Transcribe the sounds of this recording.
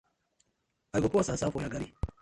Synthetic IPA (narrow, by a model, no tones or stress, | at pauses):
aiɡokoasaːsafojaɡaɾi